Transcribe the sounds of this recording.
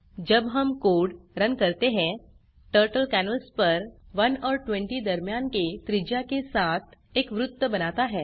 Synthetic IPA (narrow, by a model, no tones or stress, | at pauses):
d͡ʒɐbɦɐmkoːɖɾənkɐɾt̪eɦɛ̃ | ʈəːɾʈəlkænəlspɐɾʋɐnɔːɾʈʋɛ̃ɳʈid̪ɐɾmjaːnket̪ɾɪd͡ʒjakesaːt̪ʰ | eːkʋɾʊt̪ːəbɐnaːt̪aɦɛː